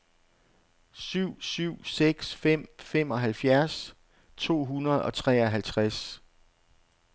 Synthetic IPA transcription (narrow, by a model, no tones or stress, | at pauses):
syʊ̰syʊ̰seɡ̥sfem̰fem̰ɒ̽ɦælfjæɐs | t͡sʰo̝̰ːɦunɐð̞̩ˠɒ̽t͡sʰʁɛ̰ːɒ̽ɦælt͡sʰʁas